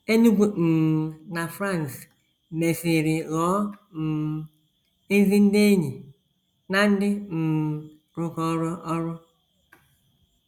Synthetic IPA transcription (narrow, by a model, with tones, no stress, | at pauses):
e˦ɲu˦ɡʷu˨n̩˨na˨fɾa˦˨n˨s | me˨fi˨ɾɪ˨lɔ˨˦m̩˨ | e˦vi˦n̩˦de˦ɲi˨ | na˨n̩˦dɪ˦m̩˨ | ɾʊ˦kɔ˦ɾɔ˦ʔɔ˦ɾɔ˦